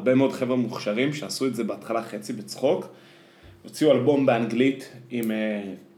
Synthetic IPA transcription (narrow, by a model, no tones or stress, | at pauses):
be̞meodχe̞vʁemuχʃaʁimʃeasuetze̞beatχalaχe̞t͡sibet͡sχo̞k | o̞t͡siualbo̞mbeanɡlitime